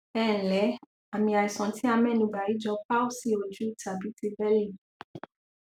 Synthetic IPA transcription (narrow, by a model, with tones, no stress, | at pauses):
ɛː˦˨lɛ˨˦ | a˨mĩ˧a˨i˨sɔ̃˨˦tʰi˦a˧mɛ̃˦˨nũ˧˨ɡ͡ba˨ji˨˦d͡ʒɔ˧˦pa˦o˦si˦˨o˨d͡ʒu˨˦˨ta˨bi˨˦ti˧bɛ˦lĩ˦˨